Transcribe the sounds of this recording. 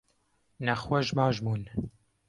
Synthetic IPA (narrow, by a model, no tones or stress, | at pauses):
nɛχwɛʒmɑːʒmuːn